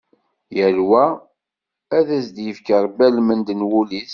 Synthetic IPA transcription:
jəlwæ | æðæsd̪jəfkəɾˤbælmənd̪ənwuliθ

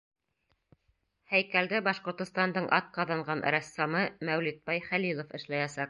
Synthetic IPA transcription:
hæjkæld̪æbɑʃqŏɾt̪ŏst̪ɑnd̪ɤɴʔɑt̪̚qɑðɑɴɢɑnɾæsːɑmɤmæwlit̪̚bɑjχælilˠŏfɘ̆ʃlæjæsɑq̚

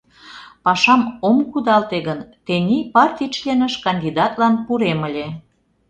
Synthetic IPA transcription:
pɑʃɑmomkud̪ɑlt̪eɣənt̪enʲipɑrt̪ʲit͡ʃlʲenəʃkɑnʲd̪ʲid̪ɑt̪lɑnpuɾeməlʲe

